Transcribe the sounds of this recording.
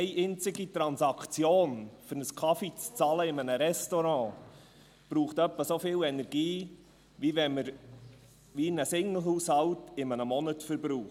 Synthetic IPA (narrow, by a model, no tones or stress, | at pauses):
ɛɪʔɪnt͡sɪɡitɾɑnsɑkʰt͡sjoːnfʏɾnəskʰɑfit͡st͡sɑləɪmənəɾɛstoɾɑ̃ː | b̥ɾuːχtœpːəsofɪːlɛnɛɾɡiː | ʋiʋɛməɾ | ʋinəsɪŋəl̩ˠɦuːshɑwtɪmənəmɔnətfəɾbɾuː